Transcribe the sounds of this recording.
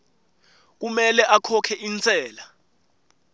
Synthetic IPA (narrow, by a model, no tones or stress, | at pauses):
k̬umɛlɛʔakʰɔkʰɛʔint͡sʼɛːla